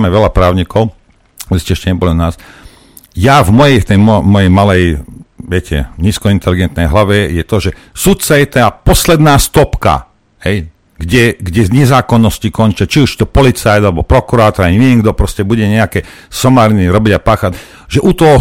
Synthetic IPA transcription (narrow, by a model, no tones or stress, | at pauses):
mɛʋɛlapɾaːʊɲikɔʊ | iscɛɛʃcɛɲɛbɔlunaːs | javmɔjɛjft̪ɛjmmɔjɛjmalɛjʋɪɛcʰɛ̰ɲiːskɔint̪ɛliɡɛnt̪nɛjɦlaʋɛjɛt̪ɔʒɛ | sut̪̚t͡sajɛt̪aːpɔslɛd̪naːst̪ɔpka̰ | ɦɛj | ɡɟɛɡɟɛzɲɛzaːkɔnːɔscikɔnt͡ʃat͡ʃiuʃt̪ɔpɔlit͡sajd̪alɛbɔpɾɔkuɾaːt̪ɔɾaɲiɛŋɡd̪ɔpɾɔscɛbuɟɛɲɛakɛ | sɔmaːɾniɾɔbiɟapaːxaɟ | ʒɛʔut̪ɔɦɔ